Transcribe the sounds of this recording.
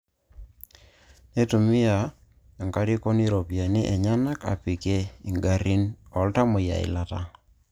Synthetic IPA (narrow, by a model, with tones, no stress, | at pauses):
ne˦tu˨mi˦ja˨ | a˨ŋka˦ɾi˦ko˦ni˦ɾo˨pja˨nɪ˦ʔɛ˨ɲa˦na˦ka̰˨pi˨ke˦i˨ŋɡa˨ɾi˦nɔ˨lta˦mʊ˨ja̰˨ɪ̰˨la˦ta˦